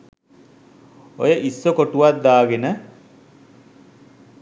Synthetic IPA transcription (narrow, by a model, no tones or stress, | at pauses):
o̰jəʔisːokoʈuʋat̪̚d̪aːɡenə